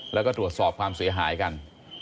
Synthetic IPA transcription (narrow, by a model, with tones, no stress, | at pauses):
lɛ˦˥kɔː˥˩t̪ɾu˨˩ət̪̚sɔː˨˩p̚kʰwaː˧msi˩˦ɐɦaː˩˦jka˧n